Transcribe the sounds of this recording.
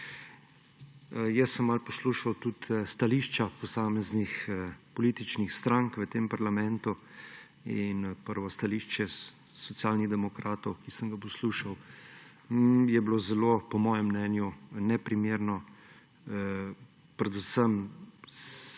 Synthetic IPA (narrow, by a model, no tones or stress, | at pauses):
jɛsəmːalpɔsluːʃawt̪ut̪st̪aliːʃt͡ʃapɔsaːmɛznixpɔliːt̪it͡ʃnixst̪ɾaŋkʋət̪empaɾlamɛ̃nt̪u | inpəɾʋɔst̪aliːʃt͡ʃɛ | sɔt̪sijaːlniɣd̪ɛmɔkɾaːt̪ɔwkisəŋɡapɔsluːʃaw | jɛblozɛlopɔmɔːjɛmːnɛːnjunɛpɾimeːɾnɔ | pɾɛd̪usəms